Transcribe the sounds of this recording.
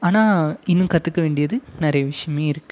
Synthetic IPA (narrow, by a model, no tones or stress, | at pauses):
aːnaːɪnːɯmkɐt̪ːɯkːɐʋeːɳɖɪjɐðɯnɐɾɐjɐʋɪʂɐjɐmeːɪɾɯkːɯ̥